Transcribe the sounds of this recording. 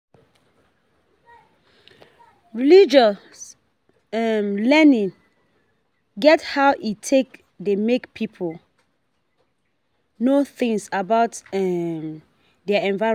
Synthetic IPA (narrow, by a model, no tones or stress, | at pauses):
ɹilid͡ʒa | s | ɛmlɛnĩn | ɡɛthaʊʔitʰek̚ | demekpʰipʰol | noθĩŋsabaʊtɛm | dɛaɛ̃nva